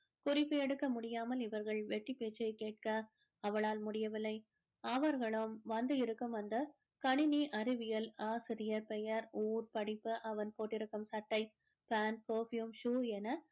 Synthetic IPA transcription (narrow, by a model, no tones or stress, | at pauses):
kʊrɪpːɯɛɽɯkːɐmʊɽɪjaːmɐlɪʋɐɾɣɐɭʋɛʈːipeːt͡ʃːɐɪkeːʈ̚kɐː | ʋɐɭaːlmʊɽɪjɐʋɪlːɐɪ | ɐʋɐɾɣɐɭɯmʋɐnd̪ɯɪɾɯkːɯmɐnd̪ɐ | kɐɳɪniʔɐɾɪʋɪjɐlaːsɪɾɪjɐɾpɛjɐɾuːɾpɐɽɪpːɯʔɐʋɐnpoːʈːɪɾɯkːɯmsɐʈːɐɪ | paːnpoːfjumʂuːɛnɐ